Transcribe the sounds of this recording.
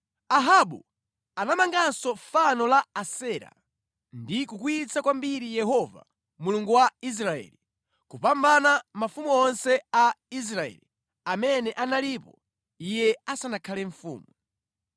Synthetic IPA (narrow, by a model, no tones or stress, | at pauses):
aɦaɓṵ | anamaŋɡansɔfanɔlaːsɛːɾa̰ | ndikukuit͡sakwambiɾijɛɦɔva̰ | muluŋɡuwais̬ɾaɛ̰ːli | kupambanamafumuɔnsɛais̬ɾaɛ̰ːli | amɛnɛʔanalipɔ | ijɛasanakʰalɛɱfṵːmu